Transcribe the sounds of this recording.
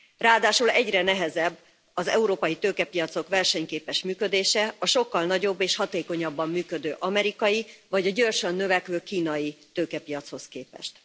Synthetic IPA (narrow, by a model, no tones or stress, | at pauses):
raːd̪aːʃulɛɟrɛnɛɦɛzɛbː | ɒzɛ̰uɾoːpɒjit̪øːkɛpijɒt̪so̞kʋɛrʃɛɲkeːpɛʃmyːkød̪eːʃɛɒʃo̞kːɒlnɒɟo̞bːeːʃhɒt̪eːko̞ɲɒbːɒmːyːkød̪øːʔɒmɛɾikɒjivɒɟɒɟo̞rʃønːøvɛkʋøːkiːnɒjit̪øːkɛpijɒt̪sho̞skeːpɛ̰ʃt̪